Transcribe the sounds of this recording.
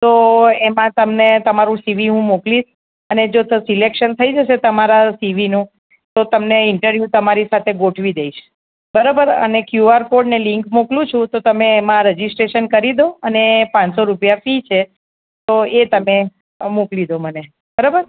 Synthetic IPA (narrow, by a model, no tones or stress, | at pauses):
t̪oemãt̪əmnet̪əmaɾũsiʋiɦũmokliʃ | əned͡ʒot̪əsilekʃənt̪ʰəid͡ʒəʃet̪əmaɾasiʋinũ | t̪ot̪əmneɪɳʈəɾʋjut̪əmaɾisat̪ʰeɡoʈʰʋid̪eiʃ | bəɾabəɾə̰nekjuaɾfoɾɖnelɪ̃ŋkmoklũt͡ʃʰũt̪ot̪əmeːmãɾəd͡ʒisʈɾeʃənkəɾid̪oənepãnsoɾupjafit͡ʃʰe | t̪oet̪əme | muklid̪oməne | bəɾabəɾ